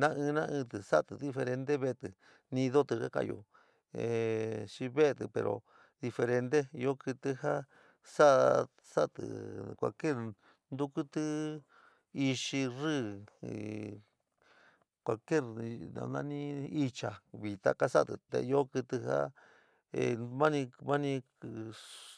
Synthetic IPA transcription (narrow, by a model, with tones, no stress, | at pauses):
nã˦ʔɨ̃˧nã˦ʔɨ̃˧t̪ɨ˨sa˦˧t̪ɨ˧ði˧fe˧ɾe˧nd̪e˦βe˦˧t̪ɨ˧ | nĩ˧ðo˦t̪ɨ˧ka˦ka̰˧˨jo̰˧˨ | e˨ʃi˧βe˦˧t̪ɨ˧pḛ˧ɾo̰˨ | ði˧fe˧ɾe˧nd̪e˦˧o˦kɨ˧t̪ɨ˧ha˦ | sa˦ | sa˦t̪ɨ̰˨kʷa̰˧˨ke˦˨ | nd̪u˦ku˦t̪ɨ˦ | i˧ʃi˧rɨ˦˨ | kʷa˨ke˦˨ɾnã̰˧nã̰˧nĩ˦i˧t͡ʃa˨βi˨t̪a̰˧ka˦sa˦˨t̪ɨ̰˨t̪ḛ˧jo˦kɨ˧t̪ɨ˧ha̰˦ | e˧mã˦nĩ˧mã˦nĩ˧